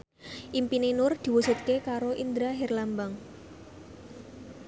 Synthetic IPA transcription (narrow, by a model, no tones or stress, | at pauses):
ʔimpinenʊrd̪̥i̤wusut̪̚kekaɾoʔind̪ɾaɦɛrlambaŋ